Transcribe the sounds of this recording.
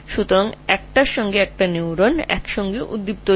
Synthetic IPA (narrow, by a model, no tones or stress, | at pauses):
ʃut̪oɾaŋɛk̚ʈaʃɔŋɡeɛk̚ʈaniwɾonɛ̰kʃɔŋɡeʔṵd̪ːip̚t̪o